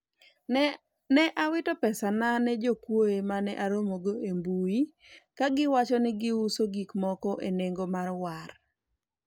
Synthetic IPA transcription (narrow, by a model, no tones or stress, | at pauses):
nɛʔawɪtɔpɛsananɛd͡ʒokwoemanɛʔaɾomoɡoembui | kaɡɪwat͡ʃɔnɪɡɪusoɡikmɔkɔʔeneŋɡomarwar